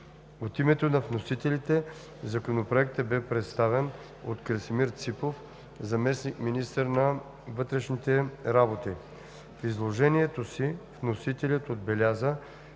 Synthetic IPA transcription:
ot̪imɛt̪onɐvnosit̪ɛlit̪ɛ | zɐkonopɾoɛkt̪əbɛpɾɛt̪st̪avɛn | ot̪kɾəsmiɾt̪sipof | zɐmɛsnikminist̪əɾnɐ | vɤt̪ɾɛʃnit̪ɛɾabot̪i | fizlˠoʒɛniɛt̪osivnosit̪ɛlʲət̪od̪̚bɛlʲazə

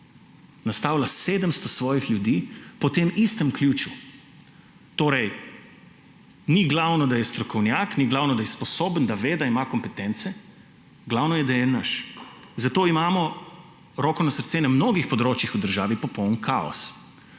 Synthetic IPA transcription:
nast̪aːwlaseːd̪əmst̪ɔsʋɔːjixlʲjud̪iːpɔt̪eːmist̪əmklʲjuːt͡ʃu | t̪oːɾɛj | niɡlawnɔd̪ajɛst̪ɾɔkɔwnjaːkniɡlaːwnɔd̪ajɛspɔsoːbənd̪aʋeːd̪aimakɔmpɛt̪ɛnt̪sɛ | ɡlawnɔjɛd̪ajɛnaʃ | zat̪oːimaːmɔ | ɾɔːkɔnasəɾt̪seːnamnoːɡixpɔd̪ɾoːt͡ʃjixud̪əɾʒaːʋipɔpɔwnkʰaːɔ̰s

